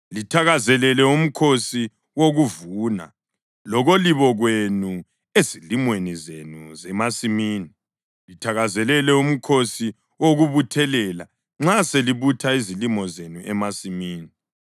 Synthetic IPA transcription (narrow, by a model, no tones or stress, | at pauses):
litʰaɣazɛlɛlɛum̩kʰosi | woɣuvuna̰ | lɔɣoliβɔɣwenu | ezilimwenizenuzɛmasimiːni | litʰaɣazɛlɛlɛum̩kʰosi | woɣuβutʰɛlɛla̰ | ŋ͡ǁaseliβutʰaizilimɔzenuʔɛmasimiːni